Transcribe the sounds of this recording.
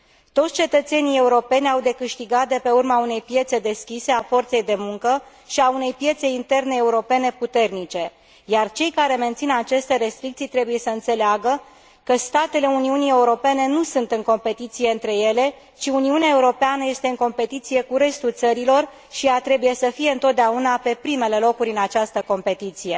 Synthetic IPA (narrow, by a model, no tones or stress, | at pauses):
t̪o̞t̪sʲt͡ʃe̞t̪ət̪se̞nije̞uɾo̞pe̞nʲawd̪e̞kɨʃt̪iɡat̪̚d̪e̞pe̞urmaune̞jpje̞t̪se̞d̪e̞skʲise̞afo̞rt̪se̞jd̪e̞muŋkə | ʃiaune̞jpje̞t̪se̞jint̪e̞rne̞ːuɾo̞pe̞ne̞put̪e̞rnit͡ʃe̞ | jart͡ʃe̞jkaɾe̞me̞nt̪sinat͡ʃe̞st̪e̞ɾe̞st̪ɾik̚t̪sijt̪ɾe̞buje̞səɨnt̪se̞leaɡə | kəst̪at̪e̞le̞uniunie̞uɾo̞pe̞ne̞nusunt̪ɨŋko̞mpe̞t̪it̪sije̞ɨnt̪ɾe̞je̞le̞ | t͡ʃiuniuneae̞uɾo̞peanəje̞st̪e̞ɨŋko̞mpe̞t̪it̪sije̞kuɾe̞st̪ult̪səɾilo̞r | ʃiat̪ɾe̞buje̞səfije̞ɨnt̪o̞t̪̚d̪eaunape̞pɾime̞le̞lo̞kuɾʲɨnat͡ʃast̪əko̞mpe̞t̪it̪sije̞